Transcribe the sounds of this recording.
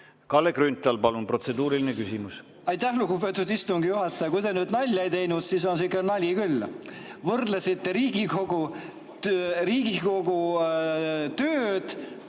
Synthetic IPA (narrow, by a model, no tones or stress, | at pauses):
kɑlːekrynt̪ːˑɑlpɑlunpro̞t̪se̞d̪uːɾilinekysimus | ɑjt̪ːæhluɡubet̪ːˑud̪ist̪uŋɡ̥ijuɦɑt̪ːˑɑjɑkujd̪enyːd̪nɑlʲjejt̪e̞jnud̪̥siːs̬o̞nsikːˑelnɑlʲikylː | vɤrd̪lesit̪ːeɾiːɡ̥iko̞ɡu | riːɡ̥iko̞ɡu | t̪øːd̪̥